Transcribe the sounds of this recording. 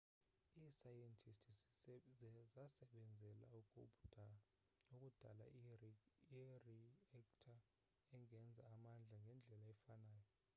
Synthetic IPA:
iːsajɛntʰʼistʰi | zasɛɓɛnd͡zʱɛla̰ukʼo̰ɓu̥ | nokʼud̥ʱala̰ | riɛktʰa | ɛŋʱɛnd͡zʱaːmand͡ɮʱaŋɡʱɛnd͡ɮʱɛlaɛfanaːjɔ

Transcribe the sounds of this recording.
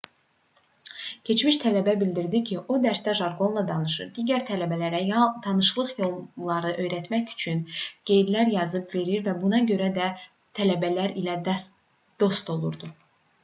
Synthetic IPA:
cʰe̞t͡ʃmiʃt̪ʰælæbæbild̪iɾd̪icʰiʔod̪æɾst̪æʒɑɾɡo̞nlˠɑd̪ɑnɯʃɯ̰ɾd̪iːɟæɾt̪ʰælæbælæɾæt̪ʰɑnɯʃlˠɯχjo̞lˠlˠɑɾɯʔø̞jɾæt̪mæçy̥t͡ʃʰynɡ̥e̞jd̪læɾjɑzɯbve̞ɾiɾvæbunɑɟø̞ɾæd̪æ | t̪ʰælæbælæɾilæd̪ | d̪̥o̞st̪o̞lˠuɾd̪u

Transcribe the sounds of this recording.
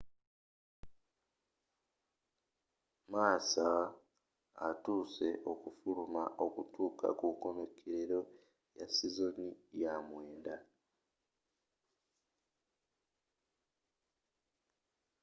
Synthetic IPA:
maːsa | tuːse̞ʔo̞kufulumaʔo̞kutuːka̰kuko̞me̞kʰeɾeɾo̞ | jasizo̞nijamwe̞ːnda

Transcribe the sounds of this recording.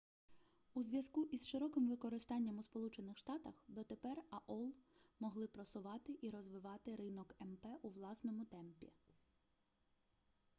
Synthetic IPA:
uzʋʲjɐskuʔizʃɪɾɔkɪmʋɪkɔɾɪst̪ɑnʲːɐmuspɔlˠut͡ʃenɪxʃt̪ɑt̪ɐxd̪ɔt̪epɛrɐʔɔlˠmɔɦlˠɪpɾɔsʊʋɑt̪ɪʔiɾɔzʋɪʋɑt̪ɪɾɪnɔkɛmpɛʔuʋlˠɑsnɔmʊt̪ɛmpʲḭ

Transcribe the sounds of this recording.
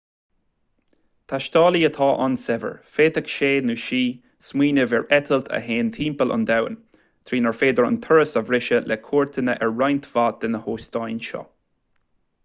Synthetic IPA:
t̪ʰaʃt̪ɑːliət̪ʰɑːʔa̰nsɛvə̰ɹfeːt̪əkʃeːd̪nuʃiː | smiːnəvɛɹɛt̪ʰəlt̪ʰə̰ɦeːnt̪ʰiːmpəla̰nd̪awə̰n | t̪ʰɾiːnəɹfeːd̪əɹə̰nt̪ʰəɹəsavɾɪʃəlʔɛkʰoːɹt̪ʰənəʔɛɹːajnt̪ʰv̥at̚d̪ɪnəhoːst̪ajnʃɔ̰

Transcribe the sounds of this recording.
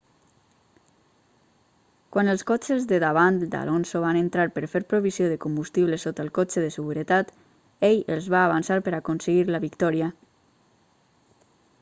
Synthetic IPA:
kwanəlˠskɔt͡ʃəzðəðaβant̪d̪a̰lʔɔnsoβanənt̪ɾaɾpəɾfeɾpɾoβizioðəkumbust̪iβləsot̪əlˠkot͡ʃəðəsəɣuɾət̪at̪ | ejəlˠzβaːβansaɾpəɾakonsəɣiɾləβikt̪ɔɾiə

